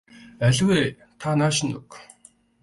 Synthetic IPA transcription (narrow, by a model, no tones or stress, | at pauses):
æɮʲweː | t̪ʰanaːʃɪ̆nʊ̰k